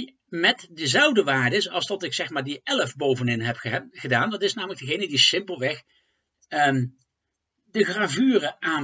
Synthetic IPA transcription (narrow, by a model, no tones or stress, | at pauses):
mɛtdəzɛlˠvdəʋaːɹdəɪsɑ̰lˠstɔtɪksɛxmaːɹdəɛləfbowvənɪnɦɛpχədaːndɑtɪsnaːmələɡ̚dəɣejnədisɪmpəlˠʋɛx | ə | dəɣraːvyːrəʔaː